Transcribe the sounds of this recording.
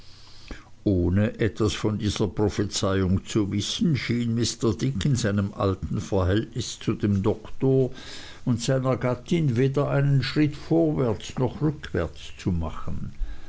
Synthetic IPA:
ʔoːnəʔɛtv̥asfɔndiːzɐpʁ̥ɔfət͡saɪʊŋt͡suvɪsn̩ʃiːnmɪstɐdɪkɪnzaɪnəmʔa̰ltn̩fɛɐɦɛltnɪst͡sudeːmdɔktoːɐ | ʊntz̥aɪnɐɡatɪnveːdɐʔaɪnənʃʁ̥ɪtfoːɐvɛɐt͡snɔχʁʏkʰv̥ɛ̰ɐt͡st͡sumaχən̩

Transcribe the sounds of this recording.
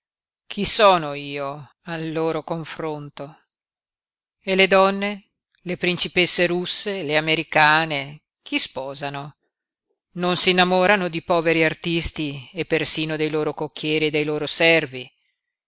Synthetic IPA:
kʰisɔːnoiːo | alːoːɾokoɱfɾont̪o | eled̪ɔnːe | lepɾint͡ʃipesːeɾusːeleameɾikaːne | k̟ʰispɔːzano | nonsinːamɔːɾanod̪ipɔːveɾiart̪ist̪iepːersiːnod̪ejloːɾokokːjɛːɾid̪ejloːɾosɛrvi

